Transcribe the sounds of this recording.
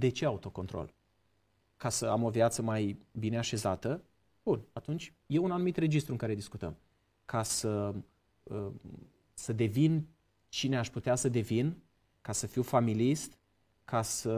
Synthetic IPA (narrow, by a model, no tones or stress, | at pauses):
d̪e̞t͡ʃe̞aut̪o̞ko̞nt̪ɾo̞̰l | kasəamo̞vjat̪səmajbine̞aʃe̞zat̪ə | b̥unat̪unt͡ʃʲ | je̞unanumit̪re̞d͡ʒist̪ɾuɨŋkaɾe̞d̪iskut̪ə̰m | kʰasə | ə | səd̪e̞vin | t͡ʃine̞aʃput̪easəd̪e̞vin | kasəfiwfamilist̪ | kʰasə